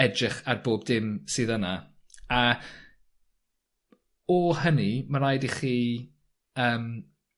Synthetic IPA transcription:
ɛdrɪχarboːbdɪmsɨːðəna | a | ɔhənimaɾajdiχiː | əːm

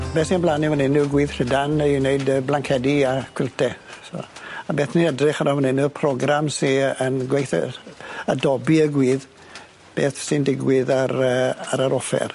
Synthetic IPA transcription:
beːθniənblˠanivənɪnuɡwiːðr̥ədanineɨdəblaŋkʰɛdiakʰwɪlˠtʰɛso̰ːabeːθniədrɪχaɾamənɪnupʰrɔɡramsiənɡwejθə̰ədɔbiəɡwiːð | b̥eːθsɪndɪɡwɪðaɾəaɾaɾɔfɛ̰r

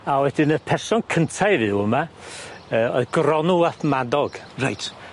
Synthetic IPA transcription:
awɛdɪnəpʰɛrsɔnkʰəntʰajvɨwəma | əːɔɨðɡrɔnuaθmadɔɡ̥ra̰jtʰ

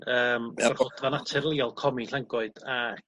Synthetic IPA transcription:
əːmɔχɔdvanatʰɛrlˠiɔlˠkʰɔmiɬaŋɡʊɨd̥a

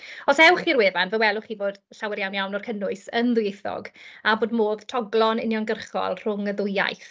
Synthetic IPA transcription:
ɔsɛwχirweːvanvəwɛlˠʊχiːvoːd̥ɬawɛɾjawnjawnɔrkʰənʊɨsənðʊejθɔ̰ɡaboːdmoːðtʰɔɡlˠɔnɪ̰njɔnɡərχɔ̰lˠr̥ʊŋəðʊja̰jθ

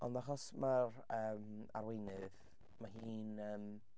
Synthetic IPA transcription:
ɔ̰ndaχɔsmarəːma̰ɾwejnɨð | maɦiːnəːm

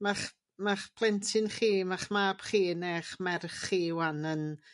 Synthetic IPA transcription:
maχ | maχpʰlˠɛntʰɪnχiːmaχmaːb̥χiːneːχmɛrχːiːwanən

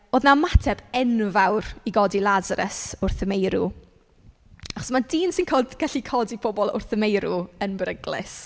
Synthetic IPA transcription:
oːðnamatʰɛb̥ɛnvawriɡɔdilˠazaɾʔə̰sʊrθəmejɾu | aχɔ̥smadiːnsɪnkʰoːlˠdɡ̥aɬikʰɔdipʰɔbɔlˠʊ̰rθəmejɾuənbrəɡlɪ̰s

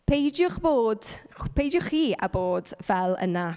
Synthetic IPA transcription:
pʰejdjʊχb̥oːd̥pʰejdjʊχiːa̰boːd̥vɛlˠə̰na

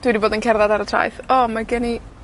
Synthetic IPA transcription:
d̥wɪdiboːdənkʰɛrðadaɾətʰra̰jθɔmaɡɛni

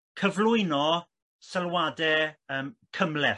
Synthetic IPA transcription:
kʰəvlʊɨnɔ | səlˠwadɛəːmkʰəmlɛ

